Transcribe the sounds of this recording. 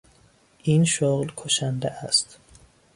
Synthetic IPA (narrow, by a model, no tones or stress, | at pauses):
ʔiːnʃoɣlkʰoʃænd̪eʔæst̪